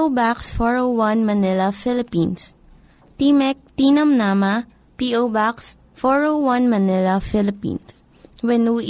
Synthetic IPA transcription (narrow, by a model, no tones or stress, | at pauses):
baksfɔɹowwɐ̃nmɐnɪlɐfɪlɪpĩns | t̪imɛk̚t̪inɐmnaːmɐ | piʔowbaks | fɔɹowwɐ̃nmɐnɪlɐfɪlɪpḭns | wɛnuː